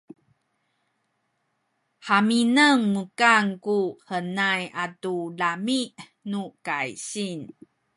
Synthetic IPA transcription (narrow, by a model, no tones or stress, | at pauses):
ħaminəŋmukaŋkuhənajatulamiʔ | nukajɕin